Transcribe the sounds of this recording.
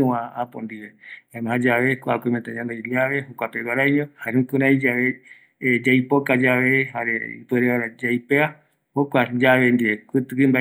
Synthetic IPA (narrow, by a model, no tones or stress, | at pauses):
ũãapõ̰nd̪iβebajmãɦãd͡ʒaβe̞kʷaakʷemẽt̪ãɲãnd̪ajliaβe̞hokʷapeɡaɾajɲõhaɾeũkũɾãid͡ʒaβe | d͡ʒajpokad͡ʒaʋehaɾeḭpweɾeβaɾad͡ʒajpea | hokʷad͡ʒaβend̪iekɨt̪ɨkɨmba